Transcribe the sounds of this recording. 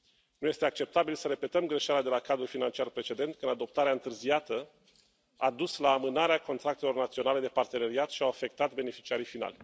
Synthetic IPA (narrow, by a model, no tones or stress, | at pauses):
nuje̞st̪e̞ak̚t͡ʃe̞p̚t̪abilsəɾe̞pe̞t̪əmɡɾe̞ʃalead̪e̞lakad̪ɾulfinant͡ʃiarpɾe̞t͡ʃe̞d̪e̞nt̪̚kɨnd̪ad̪o̞p̚t̪aɾeaɨnt̪ɨrziat̪ə | ad̪uslaːmɨnaɾeako̞nt̪ɾak̚t̪e̞lo̞rnat̪sio̞nale̞d̪e̞part̪e̞ne̞ɾiat̪ʃiawafe̞k̚t̪at̪be̞ne̞fi̥t͡ʃiaɾijfina̰lʲ